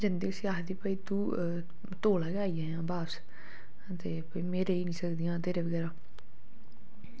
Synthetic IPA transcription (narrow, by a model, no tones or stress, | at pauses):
d͡ʒənd̪iːəsiaːɦd̪iːpəiːt̪ũː | t̪oːlaːɡaːiːãːjãːbaːs | t̪eːpəiːmẽːɾeːiːnĩːsəkd̪iːãːt̪eːɾeːʋəɡɛːɾaː